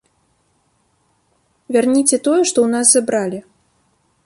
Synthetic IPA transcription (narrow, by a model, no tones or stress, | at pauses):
vʲarnʲit͡sʲɛt̪ɔjɛʂt̪ɔwnaszabɾalʲi